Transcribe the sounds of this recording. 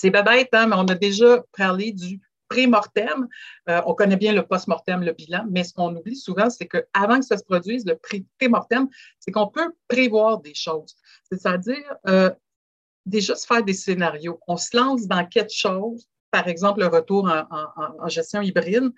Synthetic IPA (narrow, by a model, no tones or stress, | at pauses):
sɛbabɛɪt̪ɛ̃mɛɔ̃nad̪eʒʌpaʁled̪y | pχemɔʁt̪ɛmøɔ̃kɔnɛbjɛ̃ləpɔst̪mɔʁt̪ɛmləbilãmɛsə̥kɔ̃nublisuvɑ̃sekəavɑ̃kəsasə̥pχɔd͡z̪ɥiːzləpχit̪emɔʁt̪ɛmsekɔ̃pøpʁevwaːʁd̪eʃɔːz̥ | set̪add͡ziːʁø | d̪eʒʌsə̥fɛːʁd̪esenaʁjoɔ̃səlɑ̃s̬d̪ɑ̃kʲɛlkʃɔz | paʁɛɡzɑ̃pləʁət̪uːʁɑ̃ʔɑ̃ɑ̃ɑ̃ʒɛst͡s̪jɔ̃ibʁɪn